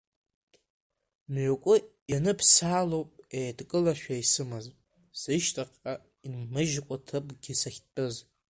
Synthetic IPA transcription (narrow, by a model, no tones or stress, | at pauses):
nʕokʷʼʊjanɨpʰsaːlowpʼeːdkʼɨlaʃᶣaisɨmazʼ | sɨʃtʰʼaqʼa | inmɨʒkʷʼatʰɨpʼɡʲisaxʲtʼɨz